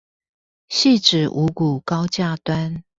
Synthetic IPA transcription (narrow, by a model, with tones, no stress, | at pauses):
ɕi˥˨ʈ͡ʂɻ̩˨˩ʔu˨˦ku˨˩kɑ˦ʊt͡ɕja˥˨t̪wa˦n